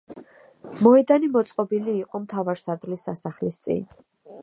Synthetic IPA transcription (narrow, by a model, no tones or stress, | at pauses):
mɔɛd̪animɔt̪sʼqʼɔbiliːqʼɔmt̪ʰavaɾsaɾd̪vlisasaχlist̪sʼḭn